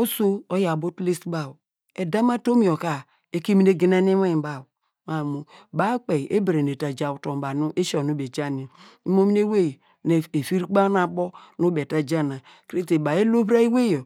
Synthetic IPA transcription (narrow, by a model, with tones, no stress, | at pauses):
o˦so˦o˦ja˨bo˦tli˦stba˦˨w | e˨da˦ma˦to˦mi˨o˨ka˨ | e˨˦ki˦mi˦ne˦ɡi˦na˦ne˦we˦˨ba˨w | ma˨mu˨ba˦k͡pe˨ʔe˦bɾe˨n˨e˨ta˨d͡ʒa˨wu˨to˨m˨ba˨nu˦ʔe˦ʃɔ˨nu˦be˨d͡ʒa˦ni˨ | i˦mo˦mi˦ne˦we˦˨ | n˨e˨fi˦ɾi˦k͡pa˦na˨bɔ˦nu˦be˨ta˨d͡ʒa˦na˨ | kɾe˦te˨ba˨e˦lo˦bɾa˦i˦we˦jo˨